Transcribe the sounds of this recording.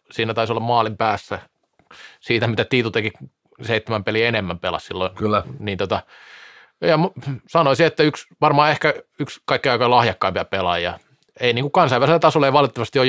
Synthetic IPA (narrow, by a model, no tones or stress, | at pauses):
siːnæt̪ɑisolːɑmɑːlimpæːsːæ | siːt̪æmit̪æt̪iːt̪ut̪eki | seit̪ːemæmpelienemːæmpelɑ̰ssilːokyːniːnt̪ot̪ɑ | jɑmsɑnoisiet̪ːæyksʋɑrmɑːehkæykskɑikːiɑikɑlɑhjɑkːɑimpit̪æppelɑ̰jjɑ̰ | einiːŋkukɑnsɑiʋæliselːæt̪ɑsolːɑeiʋɑlt̪t̪ːɑʋɑst̪ioj